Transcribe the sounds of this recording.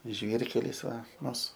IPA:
ˈʒʲʋʲiːrʲkʲɛlʲɪs ˈʋɐ ˈmʊs

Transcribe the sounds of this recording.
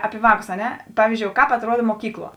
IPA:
ˈɑːpʲɪ ˈʋɑːˌkʊs ɐ ˈnʲɛ ˈpɑːʋʲiːzʲd͡ʒʲoːʊ ˈkɑːp ɐtˈruɔdɐ moːˈkʲiːkˌlˠuɔ

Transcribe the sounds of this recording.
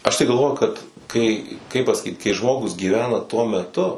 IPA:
ɐʃ tɐɪ ɡɐlˠˈʋoːjʊ kɐt kɐɪ kɐɪp pɐsɐˈkʲiːt kɐɪ ˈʒmoːɡʊs ɡʲiːˈʋʲæːnɐ tuɔ mʲɛˈtʊ

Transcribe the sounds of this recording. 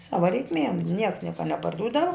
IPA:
ˈsɑːʋɐ rʲɛɪkˈmʲiɛm nʲiɛks ˈnʲiɛkɐ nʲɛpɐrˈduːdɐʋɐ

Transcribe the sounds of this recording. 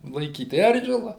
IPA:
lˠɐɪˈkʲiːt ˈɛrʲʒʲɪlˠɐ

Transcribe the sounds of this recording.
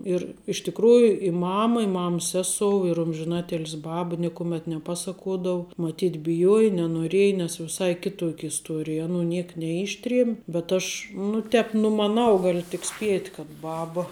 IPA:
ɪr ɪʃ tʲɪkˈruːjʊ ɪ ˈmɑːmɐ ɪ ˈmɐms ˈsʲæːsoːʊ ɪr ˈʊmʲʒʲɪnɐtʲɪlʲsʲɪ ˈbɑːbɐ ˈnʲɪkʊmʲɛt nʲɛˈpɑːsɐkuɔdɐʊ mɐˈtʲiːt bʲɪˈjuɔjɛ nʲɛnoːˈrʲiɛjɛ nʲɛs ʋʲɪˈsɐɪ ˈkʲɪtuɔkʲ ɪsˈtuɔrʲɪj ɐˈnuː ˈnʲiɛk nʲɛˈɪʃʲtʲrʲiɛmʲ bʲɛt ˈɐʃ nʊ ˈtʲɛːp nʊmɐˈnɐʊ ˈɡɑːlʲʊ tʲɪk ˈsʲpʲiɛtʲ kɐt ˈbɑːbɐ

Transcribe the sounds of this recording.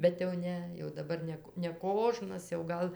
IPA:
bʲɛt jɛʊ ˈnʲɛ jɛʊ dɐˈbɐr ˈnʲɛ k nʲɛˈkoːʒnɐs jɛʊ ˈɡɐlˠ

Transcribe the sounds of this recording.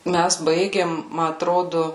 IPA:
ˈmʲæs ˈbɐɪɡʲeːm ˈmɐ ɐtˈroːdʊ

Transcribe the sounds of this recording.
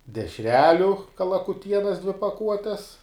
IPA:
dʲɛʃʲˈrʲæːlʲʊ kɐlˠɐkʊˈtʲiɛnɐs dʲʋʲɪ pɐˈkuɔtʲɛs

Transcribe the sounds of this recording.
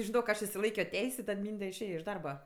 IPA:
ʒʲɪˈnoːk ˈɐʃ ɪʃʲsʲɪˈlˠɐɪkʲoː ˈtʲɛɪsʲ ɪ ˈtɐt ˈmʲiːnʲdʲɛ ɪʃʲˈeːjɛ ɪʃ ˈdɐrbɐ

